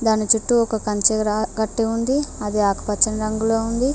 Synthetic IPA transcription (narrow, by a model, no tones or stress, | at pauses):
d̪aːnit͡ʃuʈːuɔkɐkɐnt͡ʃeɾaːɡɐʈːeund̪iɐd̪iaːkɐ̥pɐt͡ʃɐnɐɾɐŋɡuloːund̪i